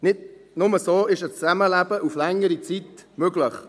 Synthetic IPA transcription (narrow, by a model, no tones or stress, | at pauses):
nɪdnʊməsoːɪʃət͡sæməlæb̥əʔuflɛŋəɾit͡sit̪møɡləχ